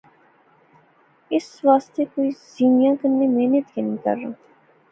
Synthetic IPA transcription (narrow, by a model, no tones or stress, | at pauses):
ɪsʋaːst̪eːkoːiːz̥iːnjãːkənːeːmeːnət̪kenĩːkə̰ɾːã̰ː